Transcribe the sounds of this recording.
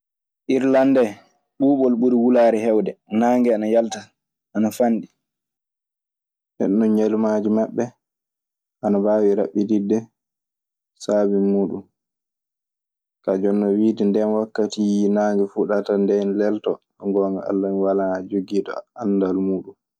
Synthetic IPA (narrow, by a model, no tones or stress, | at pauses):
ʔiɾlandɛ | ɓuːɓɔlɓuɾiwulaːɾɛhɛwdɛnaːŋɡɛanajalta | ʔanafanɗi | nɛ̰ɗːɔnɲalumad͡ʒimaɓːɛ | ʔanabaːwiɾaɓːididːɛ | saːbimuːɗum | kad͡ʒɔnːɔwiːdindɛnwakːatijinaːŋɡɛfuɗatandɛnlɛltɔ | ŋɡɔːŋɡaa̰lːaniwalaad͡ʒoɡiːtɔ̰andalmuːɗum